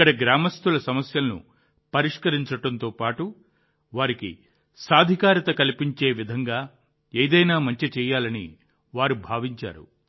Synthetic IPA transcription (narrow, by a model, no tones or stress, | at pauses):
kːɐɽɐɡɾaːmɐst̪ulɐsɐmɐsjɐlnṵ | pɐɾiʂkɐɾiɲt͡ʃɐʈɐnt̪o̞ːpaːʈu | ʋaːɾikḭ | saːd̪ʱikaːɾɐt̪ɐkɐlipiɲt͡ʃe̞ːʋid̪ʱɐŋɡaː | eːd̪ɐjnaːmɐɲt͡ʃit͡ʃɛːjaːlɐnḭ | ʋaːɾubʱaːʋiɲt͡ʃa̰ːɾṵ